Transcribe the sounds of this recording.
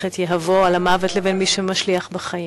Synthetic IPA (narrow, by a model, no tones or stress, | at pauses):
etjeɦavoalamavetlevenmiʃemaʃliaχbaχaji